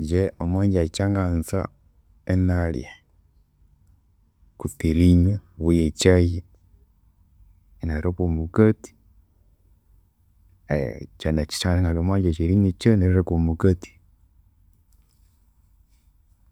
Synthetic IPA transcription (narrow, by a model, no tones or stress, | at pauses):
d͡ʒeomwaːɲɟat͡ʃaŋɡansa̰ | enalj̰a | kutiɾiɲeβujet͡ʃaje | naɾokomukati̥ | t͡ʃanat͡ʃi̥t͡ʃaneŋɡalomwaːɲɟat͡ʃiɾiɲet͡ʃeneɾɾekomukati̥